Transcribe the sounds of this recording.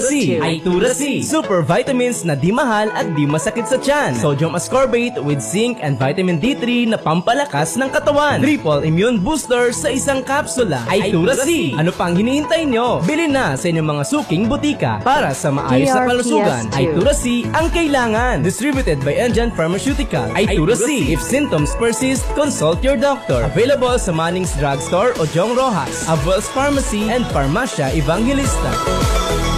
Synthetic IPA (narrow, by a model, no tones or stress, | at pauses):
iʔɐjt̪uɾɐssuːpɛɹvajt̪ɐmɪnsnɐd̪imɐɦalɐt̪̚d̪imɐsɐkɪt̪sɐt͡ʃansod͡ʒomʔɐskoɹbejt̪wɪd̪̚sɪŋkɐnd̪vajt̪ɐmɪnd̪it̪ɾinɐpɐmpɐlɐkasnɐŋkɐt̪ɐwant̪ɾiːpɐlɪmjunbust̪ɛɹsɐʔɪsaŋkapsʊlɐ̰ʔɐjt̪uɾɐɐnopɐʔɐŋhɪniːhɪnt̪ajnːobɪlɪnɐsɐʔɪɲoŋmɐŋasuːkɪŋbʊt̪iːkɐ̰paːɾɐsɐmɐ̰ʔa̰ːjosnɐɐkɐlʊsuːɡɐ̰nʔɐjt̪uɾɐsiʔɐŋkɐjlaːŋɐnd̪ɪst̪ɾibjʊt̪ɛd̪̚bɐjʔɛnd͡ʒɛ̃nfɐɹmɐsjut̪ɪkɐ̰lʔɐjj̪uɾɐsiʔɪfsɪnt̪omspɛɹsɪst̪̚konsolt̪jɔɹd̪ok̚t̪ɔɹʔɐvɛjlɐbolsɐmanɪŋsd̪ɾaɡst̪oɹʔod͡ʒɔŋɾoɦɐ̰sʔɐbwɛlsfaɹmɐsiɛnd̪fɐɹmaʃɐʔɛvaŋɡɛlist̪ɐ̰